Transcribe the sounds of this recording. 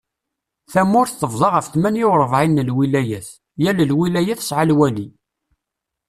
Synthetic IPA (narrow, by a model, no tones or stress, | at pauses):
θæmːʊɾθθəvðˤɑʁəfθmænjɪwɾˤəvʕinːəlwilæjæθ | jæləlwilæjæθsʕalwæli